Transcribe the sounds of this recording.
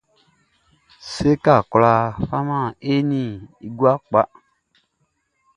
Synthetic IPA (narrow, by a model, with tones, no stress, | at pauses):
se˦ka˦˨kla˧fa˦mã˦˨e˦nĩ˦˨i˨ɡu˦a˦k͡pa˦